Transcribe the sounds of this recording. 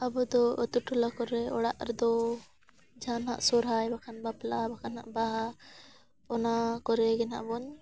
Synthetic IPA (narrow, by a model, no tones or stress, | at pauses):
abɔd̪ɔət̪uʈulakɔɾɛɔɽa̰ʔɾɛd̪ɔ | d͡ʒʱanɦa̰ʔsɔɾajbakʰanbaplabakʰana̰ʔbaɦa | pɔnakɔɾɛɡɛna̰ʔbɔɲ